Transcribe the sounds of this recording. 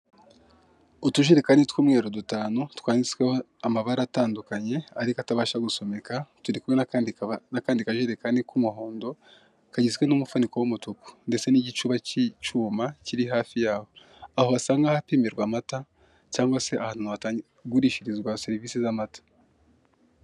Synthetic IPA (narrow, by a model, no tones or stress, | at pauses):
otuʒiɾekanitwuːmŋe̞ːɾodutaːnotkwaːɲisweho | amaβaɾataːndukaɲe̞aɾikoataβaːʃaɡuso̞me̞katuɾikuwenakaːndikaʒeɾekanikumuɦo̞ːndo̞ | kaɟizwe̞numufuniko̞womutuku̥nde̞t͡se̞niɟit͡ʃuːβacit͡ʃuːmaciɾiɦaːfijaːβo̞ | aho̞βasaːŋɡahapiːmeɾɡwaːmata | caːŋɡwase̞ʔahaːnunuβata | ɡuɾiːʃiɾizɡwaseɾiviːsizamatḁ